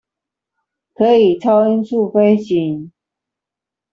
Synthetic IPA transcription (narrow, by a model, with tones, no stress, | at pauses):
kʰɤ˧˦˥i˨˩ʈ͡ʂʰɑ˥ʊi˥nsu˥˨fe˥ɪɕi˨˥ŋ